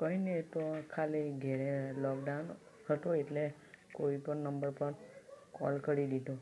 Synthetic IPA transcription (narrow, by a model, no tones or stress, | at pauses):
kəɦinet̪okʰaliɡʱeɾelɔk̚ɖaun | ɦət̪oeʈle | koipəɳnəmbəɾpəɾkɔ̰lkəɽid̪id̪ʱo